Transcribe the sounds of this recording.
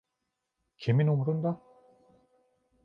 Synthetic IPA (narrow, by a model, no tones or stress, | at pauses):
kʰeminomuɾund̪a